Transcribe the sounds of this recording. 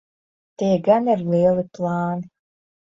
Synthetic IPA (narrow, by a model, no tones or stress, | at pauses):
t̪eːɡanerleːlɨplˠaːn